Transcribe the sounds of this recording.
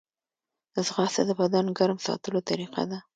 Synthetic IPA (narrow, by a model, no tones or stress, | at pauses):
zɣɑsad̪əbad̪ɑnɡaɾmsɑ̰t̪əlot̪aɾiqa̰d̪a